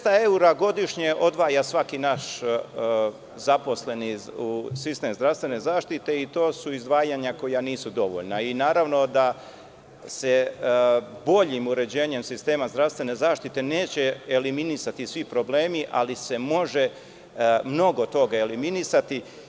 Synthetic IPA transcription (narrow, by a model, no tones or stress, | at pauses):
t̪ae̞uɾaɡo̞d̪iʃɲeʔo̞d̪ʋaːjasʋakinaʃ | zapo̞sle̞niusist̪emzd̪ɾaʋst̪ʋe̞ne̞zaːʃt̪it̪e̞it̪o̞ːsuizd̪ʋaːjaɲako̞janiːsud̪o̞ʋo̰ʎnainaːɾaʋno̞d̪a | se̞ | bo̞ʎimuɾe̞d͡ʑe̞ːɲe̞msist̪e̞ːmazd̪ɾaʋst̪ʋe̞ne̞zaːʃt̪it̪e̞ne̞ːt͡ɕe̞eliminisat̪isʋipɾo̞ble̞ːmiʔa̰lise̞mo̞ʒe̞ | mno̞ɡo̞t̪o̞ɡaeliminisat̪i